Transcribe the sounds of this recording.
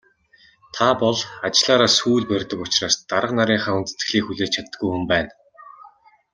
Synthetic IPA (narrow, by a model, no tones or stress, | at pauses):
t̪ʰapɔɮat͡ɕɪɮaːɾaːsuːɮpærʲt̪ə̆kʊt͡ɕraːst̪aɾə̆qnaɾʲiːŋχaːunt͡sɘ̥t͡sɡɘ̆ɮiːkxuɮeːt͡ɕʰat̪ə̆ɡujxumpæːn